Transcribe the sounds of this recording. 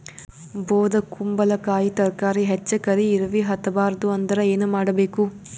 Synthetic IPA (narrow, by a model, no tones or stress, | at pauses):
boːd̪ɐkumbɐlɐkaːjit̪ɐɾkaːɾiɦet͡ʃːɐkɐɾiːɾɐʋiɦɐt̪ːɐbaːɾɐd̪uɐnd̪ɐɾɐeːnumaːɽɐbeːku